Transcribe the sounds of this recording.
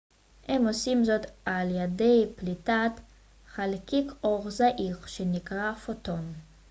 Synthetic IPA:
hemo̞simzo̞t̪aljedejplitat̪ | χalkikʰʔo̞ʁzaʔiχʃenikʁafoto̞n

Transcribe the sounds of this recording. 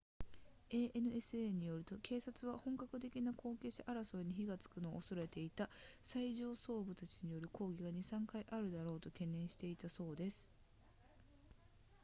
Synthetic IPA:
e̞ːʔenɯ̟e̞sɨeːɲ̟ijo̞ɾɯ̟t̪o̞kʰe̞ːsat͡sɨβ̞ahõ̞ŋkakɯ̟t̪̬e̞kʲinakʰo̞ːke̞ːɕaʔaɾaso̞eɲ̟içiɡat͡sɨ̥kɯ̟no̞̰ːoso̞ɾe̞t̪e̞it̪asaiʑo̞ːso̞ːbɯ̟t̪at͡ɕiɲ̟ijo̞ɾɯ̟ko̞ːɡʲiɡaɲ̟isãŋkaiʔaɾɯ̟d̪aɾo̞ːt̪o̞kẽ̞nːẽ̞ɰ̃ɕi̥t̪e̞it̪aso̞ːd̪e̞sɨ̥

